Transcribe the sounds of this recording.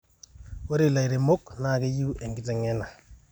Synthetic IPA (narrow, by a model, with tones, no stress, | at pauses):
wo˦ɾi˨la˨i˨ɾe˨mo˦kna˦˨ke˦ju˦ʔe˨ŋɡɪ˦tɛ˨ŋɛ˦na˨